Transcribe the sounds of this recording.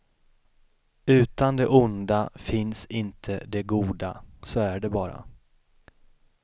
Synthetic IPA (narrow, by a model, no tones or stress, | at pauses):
ʉ̟ːt̪and̪ɛʔʊnd̪afɪnsɪnt̪ʰəd̪ɛɡuːd̪asoæɖɛbɑːɾa̰